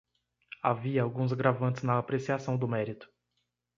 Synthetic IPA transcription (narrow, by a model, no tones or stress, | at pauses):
a̰viɐawɡũzɡɾavɐ̃nt̪ɪznɐːpɾesiasɐ̃w̃d̪ʊmɛɾit̪ʊ̥